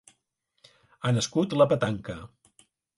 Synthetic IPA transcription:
anəskut̪ləpət̪aŋkə

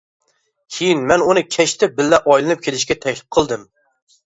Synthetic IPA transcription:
kʲʰejinmɛnunɨkʲʰɛʃt̪ʰɪbɪlːɛʔɔjlˠɨnɨp̚kʲʰelɪʃkʲɛt̪ʰɛkʲlɪp̚qʰəlˠd̪ɨm

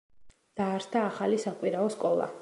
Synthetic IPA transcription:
d̪̥aːɾst̪ʰaːχalisakʼwiɾaɔskʼɔlˠa̰

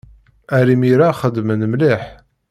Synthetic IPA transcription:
æɾimiɾaχəd̪mənəmliħ

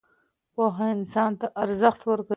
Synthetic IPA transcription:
poɦaɪnsɑnt̪aʔaɾzaxt̪wəɾka

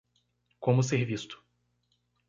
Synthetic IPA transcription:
kõmʊs̬eɾvist̪ʊ̥

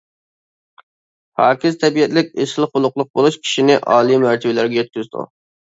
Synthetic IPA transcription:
hɑːkʲɪzt̪ʰɛbijɛt̪lɪk̚ʲeʃlˠɨχʊlˠʊqlˠʊq̚bolˠuʃkʲʰi̥ʃinɪʔɑːlˠimæɾt̪ʰɛbɪlæɾɡʲɛjøt̪̚kʲyzd̪ṵ

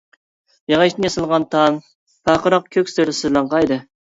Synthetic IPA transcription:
jɑʁɑʃt̪ɪnjɑsɨlˠʁɑnt̪ʰɑm | pʰɑqəɾɑq̚kʲʰøkʲst̪ɪɾd̪ɪsyɾlˠɑŋqɑjd̪ɨ

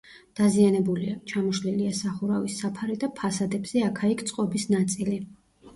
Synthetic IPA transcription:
d̪̥azianɛbuliat͡ʃʰamɔʃliliasaχuɾavisːapʰaɾid̪apʰasad̪ɛbz̥ɛakʰaikʰt̪sʼqʼɔbisnat̪sʼili

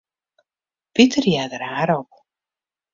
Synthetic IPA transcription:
pitərjɛdəɾaːɾop̚

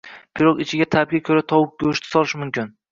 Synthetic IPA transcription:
pʰiɾokɪt͡ʃʰɪɡʲat̪ʰab̚ɡʲakʲʰɵɾat̪ʰɒwʊk̚ɡʲɵʃt̪ʰɪ̥sɒlɪʃmʊmkʲʰɪn

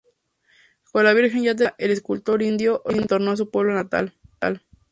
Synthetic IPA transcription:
kolaβ̞iɾxe̞nʝat̪̬aʔeleskult̪o̞ɾind̪joʔent̪oɾnoas̬upwe̞β̞lonat̪a̰lt̪a̰l

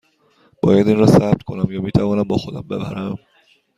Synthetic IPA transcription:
b̥ɒ̰ːjæd̪iːnɾɒːsæp̚t̪kʰo̞næmjɒːmiːt̪ʰævɒːnæmbɒːxo̞d̪æmbe̞bæ̰ɾæm

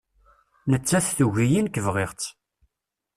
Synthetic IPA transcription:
nət͡sːæθθuʝijinkəvʁeʁt͡sː

